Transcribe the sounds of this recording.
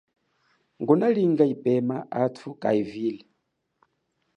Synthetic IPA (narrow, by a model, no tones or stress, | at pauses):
ŋɡunaliŋɡaipʼɛmaʔatʰukʼa̰iviːlɛ